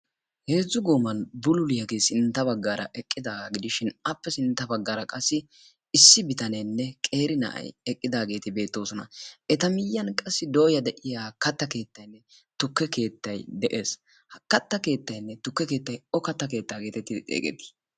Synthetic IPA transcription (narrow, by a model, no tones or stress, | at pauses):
he̞ːzːʊɡoːmɐnbʊlʊlɪjɐɡeːsɪnt̪ːɐbɐɡːaːɾʔɐ̰ʔɛkʼːɪd̪aːɡɪd̪ɪʃɪnɐpːɛsɪnt̪ːɐbɐɡːaːɾɐkʼɐsːɪ | ɪsːɪbɪt̪ɐnenːɛkʼe̞ːɾɪnɐ̰ʔɐ̰jɛkʼːɪd̪aːɡe̞ːt̪ɪbe̞ːt̪ːo̞ːsɔnɐ̰ʔɛt̪ɐmɪjːɐnkʼɐsːɪd̪oːjɐd̪ɛʔɪjaːkɐt̪ːɐke̞ːt̪ːɐjnːɛ | t̪ʊkːɛke̞ːt̪ːɐjd̪ɛʔe̞ːs | hɐkɐt̪ːɐke̞ːt̪ːɐjnːɛt̪ʊkːɛke̞ːt̪ːɐjɔkɐt̪ːɐke̞ːt̪ːaːɡe̞ːt̪ɛt̪ːɪt͡sʼḛːkʼɛ̰t̪ːɪ̥